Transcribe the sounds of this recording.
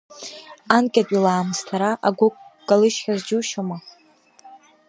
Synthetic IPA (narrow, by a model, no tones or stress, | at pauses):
ankʲʼatʼilaːmstʰaɾaʔaɡʷʊkkʼalɨʃχʲazd͡ʒuʃama